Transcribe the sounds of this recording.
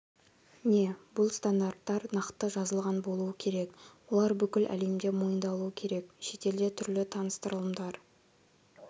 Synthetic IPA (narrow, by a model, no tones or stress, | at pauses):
ne̞bʊlˠst̪and̪art̪ːɑɾnɑqt̪ːəʒɑzəlˠʁɑnbo̞lˠuəkʲʰe̞ɾe̞kwo̞lˠɑɾbʏkʲɪlʔæ̰le̞md̪e̞mo̞jənd̪ɑlˠuəkʲʰe̞ɾe̞kʃe̞t̪e̞ld̪e̞t̪ʰʏɾlɪt̪ʰɑnəst̪əɾəlˠəmd̪ɑɾ